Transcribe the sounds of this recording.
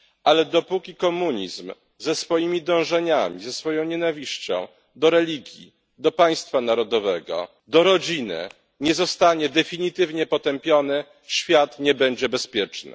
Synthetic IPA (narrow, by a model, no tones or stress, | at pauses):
ʔalɛd̪ɔpukʲikɔmuɲḭzm | zɛsfɔjimʲid̪ɔ̃w̃ʐɛɲamʲḭzɛsfɔjɔ̃w̃ɲɛnavʲiɕt͡ɕɔ̰̃w̃ | d̪ɔɾɛlʲiɡʲjḭ | d̪ɔpaj̃st̪fanaɾɔd̪ɔvɛɡɔ̰ | d̪ɔɾɔd͡ʑinɘ̰ | ɲɛzɔst̪aɲɛd̪ɛfʲiɲit̪ɘvɲɛpɔt̪ɛmpʲjɔnɘ | ɕfʲjat̪ɲɛbɛɲd͡ʑɛbɛspʲjɛt͡ʂnɘ̰